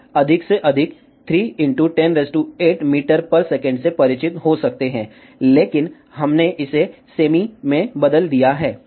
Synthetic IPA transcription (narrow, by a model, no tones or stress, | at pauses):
ɐd̪ʱɪkseʔɐd̪ʱɪk | t̪ʰɾiːɪ̃ɳʈuʈɛnɾɛsʈueːʈmiːʈəɾpɐɾsɛːkə̃ɳɖsepɐɾɪt͡ʃɪt̪ɦosɐk̚t̪eɦɛ̃ː | leːkɪn | ɦɐmneʔɪseseːmimẽbɐd̪əld̪ijaɦɛː